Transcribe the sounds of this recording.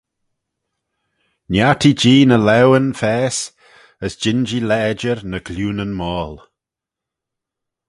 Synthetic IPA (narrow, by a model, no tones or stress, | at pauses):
njatʰid͡ʒiːnəlɛwənfɛːs | əsd͡ʒɪnd͡ʒilɛːd͡ʒəɹnəɡ̥luːnənmɔːl